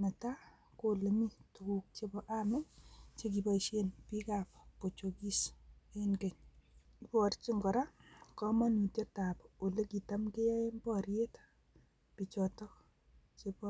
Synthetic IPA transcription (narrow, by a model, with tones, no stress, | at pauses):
me˨ta˦ | ko˨le˨mi˦tu˨ku˨k̚t͡ʃe˦bɔ˦ʔamɛ˦t͡ʃe˦k̬i˨bɔ˦iʃe˦npi˦ka˨pko˨t͡ʃo˨ki˦se˦nɡe˨ɲ | bɔ˨ɾt͡ʃi˦ŋɡɔ˨ɾa˦kɔ˦ma˦nu˨tje˦ta˨po˨le˦ki˨ta˦mke˦ja˦e˦mbɔɾje˦t | pi˨t͡ʃɔtɔ˦k | t͡ʃe˦bɔ